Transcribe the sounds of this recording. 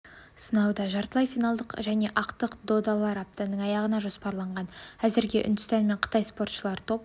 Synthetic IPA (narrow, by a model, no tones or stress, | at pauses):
sənɑwd̪ɑʒɑɾt̪əlˠɑjfijnɑlˠd̪əqʒæne̞ʔɑqt̪əqd̪o̞d̪alˠɑɾɑp̚t̪anəɴɑjɑʁənɑʒo̞spɑɾlˠɑɴʁɑnæzɪɾɡʲe̞ʔʏ̰nd̪ʏst̪ɑnme̞ɴqʰə̥t̪ɑjspo̞ɾt̪ʃəlˠɑɾt̪ʰo̞p̚